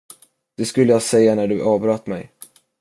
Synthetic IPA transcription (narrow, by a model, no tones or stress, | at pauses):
d̪̥ɛskɵlːəjɑːsɛjːanæɖɵʔɑːvbɾɑt̪ːmɛ̰j